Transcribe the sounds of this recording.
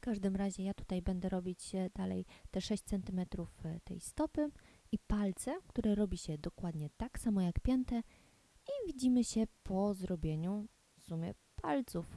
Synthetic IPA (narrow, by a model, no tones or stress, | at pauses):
fkaʐd̪ɘmɾaʑɛjat̪u̥t̪ajbɛnd̪ɛɾɔbʲit͡ɕd̪alɛ̰jt̪ɛʂɛɕt͡ɕt̪sɛnt̪ɘmɛt̪ɾuft̪ɛ̰jst̪ɔpɘ | ipalt̪sɛkt̪uɾɛɾɔbʲiɕɛd̪ɔkwad̪ɲɛt̪aksamɔjakpʲjɛnt̪ɛ | ivʲid͡ʑimɘɕɛpʰɔzɾɔbʲjeɲu | sumʲjɛ̰ | pʰalt̪suf